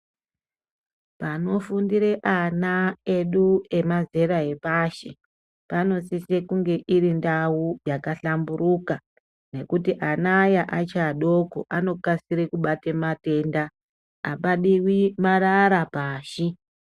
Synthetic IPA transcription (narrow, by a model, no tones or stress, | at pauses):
pano̞fundiɾe̞ʔanae̞ɗue̞maze̞ɾaɦe̞paʃe | pano̞sisekuŋɡe̞ʔirindawujakaɬamburuka | ne̞kutiʔanajaʔat͡ʃaɗoko̰ʔano̞kasiɾekuɓatemate̞ndaː | ɓaɗiwimaɾaɾapaːʃi